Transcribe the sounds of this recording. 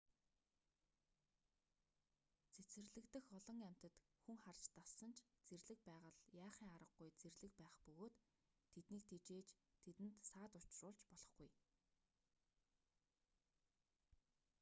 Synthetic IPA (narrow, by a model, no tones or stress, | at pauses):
t͡sʰet͡sɘ̆rɮɘ̆kt̪ɘ̆xɔɮɞ̆ŋam̥ʲt̪ə̆t̪xuŋχart͡ɕt̪assə̆nt͡ɕʰt͡serɮɘ̆k̚pæːʁə̆ɮjaːχiːŋaɾə̆ɡɡujt͡serɮɘ̆k̚pæːχpɵɣoːt̪ʰː | et̪niːk̚t̪ʰet͡ɕeːt͡ɕt̪ʰet̪ɘ̆nt̪saːt̪ʊ̥t͡ɕrʊːɮt͡ɕpɔɮɞ̆χɡuj